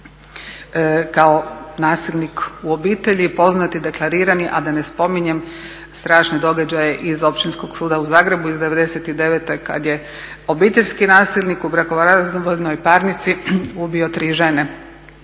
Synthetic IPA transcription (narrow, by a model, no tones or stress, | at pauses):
kao̞naːsilnikuo̞biːt̪e̞ʎipo̞znat̪id̪e̞klˠaɾiːɾaniʔad̪ane̞spo̞miɲe̞m | st̪ɾaːʃned̪o̞ɡad͡ʑaje̞ʔizo̞pʃt͡ʃ̪insko̞ɡsuːd̪auzaːɡɾe̞buizd̪e̞ʋe̞d̪eset̪id̪e̞ʋet̪eka̰d̪je̞ | o̞biːt̪eʎʲskinaːsilʲˠnikubɾakoʋaɾaʋoʎnojpaːɾnit̪siubio̞t̪ɾiːʒe̞ne